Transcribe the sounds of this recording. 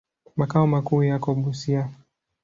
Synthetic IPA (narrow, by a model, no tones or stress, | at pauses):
makaɔmakuːjakɔɓusia